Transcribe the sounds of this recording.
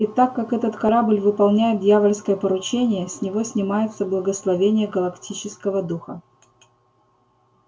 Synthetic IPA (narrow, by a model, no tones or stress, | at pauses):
it̪akːakɛt̪ət̪kɐɾablʲvɨpɐlˠnʲæjɪt̪̚dʲjavəlʲskəjəpəɾʊt͡ɕenʲɪjəsʲnʲɪvo̞sʲnʲɪmajɪt̪səblˠəɡəslˠɐvʲenʲɪjəɡəlˠɐktʲit͡ɕɪskəvəd̪uxə